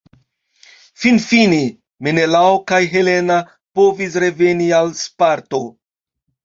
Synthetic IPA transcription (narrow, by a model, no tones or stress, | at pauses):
finfine | menelaokajɦe̞le̞na | po̞vis̬ɾe̞ve̞nialspaɾto̞